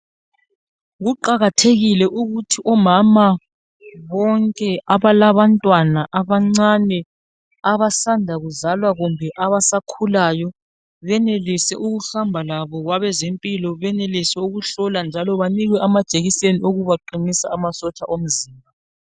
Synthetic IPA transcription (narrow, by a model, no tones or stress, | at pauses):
ɣuǃaɣatʰeɣilɛʔuɣutʰiʔɔmama | βɔŋkʼɛaβalaβantʼwanaʔaβaŋ͡ǀanɛ | aβasandʱaɣuzalwaɣumbʱɛʔaβasakʰulajɔ | βɛnelisɛ̰ʔuɣuhambʱalaβɔɣwaβɛzempʼilɔβɛnelisɛuɣuɬɔland͡ʒʱalɔβaniɣwɛʔamad̥ʒ̥ʱʼeɣiseniʔoɣuβaǃinisaːmasɔt͡ʃʼaʔom̩ziːmbʱa